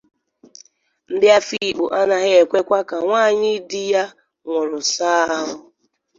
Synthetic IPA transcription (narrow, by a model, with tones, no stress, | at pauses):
n̩˦dɪ˦a˦fi˦˨k͡pʊ˨ʔa˦na˦ɣe˦e˨kʷe˦kʷa˦ka˨ŋʷaː˦˨ɲɪ˦di˦ja˦ | ŋʷʊ˨ɾʊ˨saː˦a˦ɦʊ˦